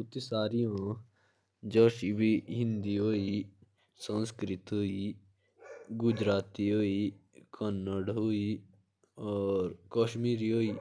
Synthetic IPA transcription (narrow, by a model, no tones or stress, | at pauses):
ʊt̪isaːɾijãː | d͡ʒoːʃibiɦɪ̃nd̪iːɦoːiː | sə̃nskɾɪt̪ɦoiː | ɡʊd͡ʒɾaːt̪iɦoːiːkʰənːəɽɦoiː | ɔːɾkoːʃmiːɾiɦoːiː